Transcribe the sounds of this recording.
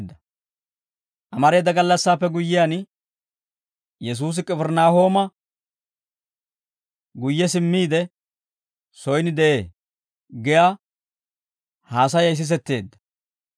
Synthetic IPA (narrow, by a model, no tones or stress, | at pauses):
d̪ːɐ | ʔɐmɐɾe̞ːd̪ɐɡɐlːɐsːaːpːɛɡʊjːɪjan | jɛs̬uːs̬ɪkʼɛfɛɾnaːho̞ːmɐ | ɡʊjːɛsɪmːiːd̪ɛ | sɔjnɪd̪ɛʔe̞ː | ɡɛjaː | haːsɐjɐɪs̬ɪs̬ɛt̪ːe̞ːd̪ːɐ̥